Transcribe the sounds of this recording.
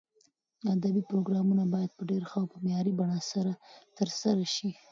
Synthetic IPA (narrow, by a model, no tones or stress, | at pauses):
ad̪abipɾoɡɾɑmunabɑjad̪̚pəɖeɾxawpəmjɑɾibaɳasaɾat̪əɾsaɾaʃi